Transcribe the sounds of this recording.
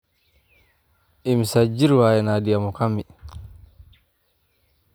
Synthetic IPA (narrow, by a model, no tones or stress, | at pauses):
ʔimisad͡ʒiɾwaːjɛnadiamɔkamːi